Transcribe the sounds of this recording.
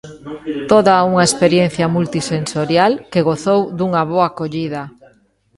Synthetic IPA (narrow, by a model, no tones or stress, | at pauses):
t̪oðauŋɐespeɾjen̟θjɐmult̪isensoɾjalkeɣoθowd̪uŋɐβoakoʎiðɐ